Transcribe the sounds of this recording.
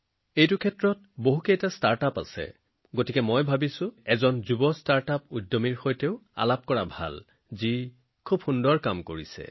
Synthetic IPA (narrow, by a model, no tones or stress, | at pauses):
ejtukʰɛtɹɔt | boɦukejtastaɹtapa̰sɛ̰ | ɡotikɛmojbʱabisʊ̃ɛzɔnzubɔstaɹtapudːomiɹxojteʊa̰lap̚kɔɹabʱa̰l | zi | kʰubxundɔɹkamkoɹisɛ̰